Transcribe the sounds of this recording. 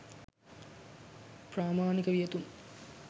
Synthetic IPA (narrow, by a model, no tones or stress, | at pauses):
praːmaːnikəʋijet̪um